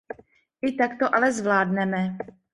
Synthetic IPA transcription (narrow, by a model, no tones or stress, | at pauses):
ʔɪt̪akt̪oʔalɛzvlaːdnɛmɛ